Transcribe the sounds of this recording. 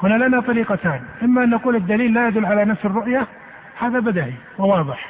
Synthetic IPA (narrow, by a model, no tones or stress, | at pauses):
hʊnːalanat̪ˤɑɾiːqɑt̪aːnʔɪmːaʔɪnːaquːlɪd̪ːaliːlːajad̪ʊlːʕalanafsɪrːʊʔja | haːðabɪd̪aʕiwɪwɑːðˤɨħ